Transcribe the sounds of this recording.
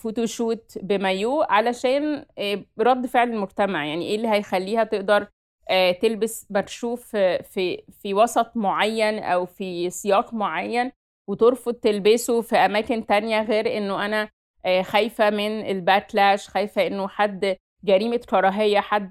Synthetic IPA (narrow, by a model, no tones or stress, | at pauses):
fut̪uʃuːt̪bemæjuːʔʕalæʃæːn | ɾˤɑd̪ːfeʕlelmoɡt̪æmaʕjaʕniʔeːlːiɦæjxælːiːhæt̪eʔd̪ɑɾˤ | ʔæt̪elbesbæt̪ʃuːfifiwɑsˤɑt̪ˤmoʕajːænʔæ̰wfisejɑːqmoʕajːæn | wet̪eɾˤfod̪̚t̪elbesofiʔæmæːkent̪ænjæɣeːɾʔenːoʔænæ | xæjfæmenelbæt̪læːʃxæjfæʔenːoħad̪ː | ɡæɾiːmakɑɾˤɑːɦejːæħad̪ː